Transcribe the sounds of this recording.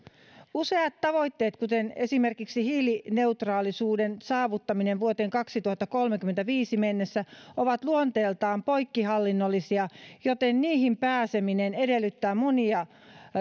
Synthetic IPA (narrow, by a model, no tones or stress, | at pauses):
use̞ɑt̪t̪ːɑʋo̞jt̪ːe̞ːt̪kut̪ene̞simerkiksihiːline̞ut̪rɑːlisuːdensɑːʋut̪ːɑmineʋʋuot̪e̞ːŋkɑksit̪uhɑt̪ːɑko̞lmekyment̪æʋiːsimenːesːæoʋɑt̪luont̪eːlt̪ɑːmpo̞jkːiɦɑlːinːolːisiɑjot̪enniːhimpæːseminenedelːyt̪ːæːmoniɑ